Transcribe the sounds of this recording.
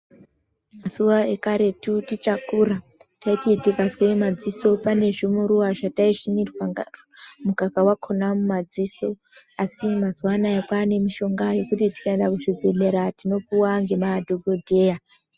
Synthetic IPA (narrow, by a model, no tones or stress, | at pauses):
maz̥uwaekaɾe̞tutit͡ʃakuɾa | taititikazwemad͡ziso̞pane̞ʐimuɾuwaʐataiʐinirwa | mukakawakʰonamumad͡ziso̞ | asimazuwanaekwane̞miʃo̞ŋɡajo̞kutiti̥kaendakuʐibʱe̞ɮe̞ɾatino̞puwaŋɡe̞madʱoɡʱodʱe̞ːja